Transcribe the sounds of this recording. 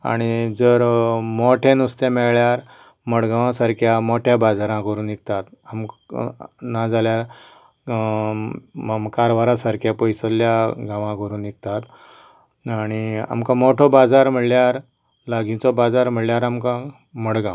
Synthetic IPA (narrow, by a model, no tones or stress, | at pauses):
a̰ɽ̃id͡zəɾmoʈʰẽnust̪emɛɭɭjaɾ | məɽɡaʋãsaɾkʰjamoʈʰjabad͡zaɾãkəɾũːnik̚t̪at̪amk | nad͡zaljaɾ | mkaɾʋaɾasaɾkʰjapojsəlːjaɡʱãʋãkəɾuːnik̚t̪at̪ | aɽ̃ia̰mkãmoʈʰobad͡zaɾm̤əɽljaɾ | laɡʱĩt͡sɔbad͡zaɾm̤əɽljaɾamkã | məɽɡã